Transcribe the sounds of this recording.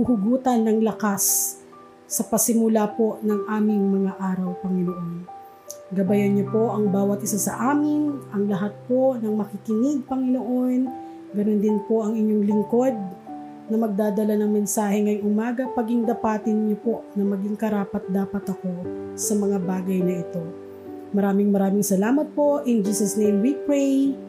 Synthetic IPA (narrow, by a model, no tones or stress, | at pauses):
huhʊɡuːt̪ɐnːɐŋlɐkasː | ɐpɐsɪmʊlapo̞ʔnɐŋʔaːmɪŋmɐŋaʔaːɾɐwpɐŋɪnoʔo̞n | ɡɐbɐjɐnɲopo̞ʔɐŋbaːwɐt̪ʔɪsasɐʔaːmɪnʔɐŋlɐɦat̪̚po̞nɐŋmɐkɪkɪnɪd̪̚pɐŋɪnoʔo̞n | ɡɐnond̪ɪnpo̞ʔɐŋɪɲːoŋlɪŋko̞d̪̚ | nɐmɐɡ̚d̪aːd̪ɐlanɐŋmɛnsaːhɛŋɐjʊŋʔʊmaːɡɐpɐɡiŋd̪ɐpaːt̪ɪnɲopo̞ʔnɐmɐɡiŋkɐɾaːpɐt̪̚d̪aːpɐt̪ɐko̞sɐmɐŋabaːɡɐjnɐʔɪt̪o̞ | mɐɾaːmɪŋmɐɾaːmɪŋsɐlaːmɐt̪̚po̞ʔɪnd͡ʒiːsɐsnejmwipɹɛj